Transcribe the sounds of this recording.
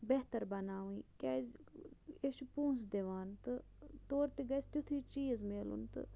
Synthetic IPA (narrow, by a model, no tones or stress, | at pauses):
beɦt̪ɐɾbɐnaːʋĩːkaːz | eʃpũːsd̪eʋaːnt̪ɨ | t̪oːɾt̪iɡɐst̪ut̪ʰiːt͡ʃiːzmeːlṵnt̪ɨ̰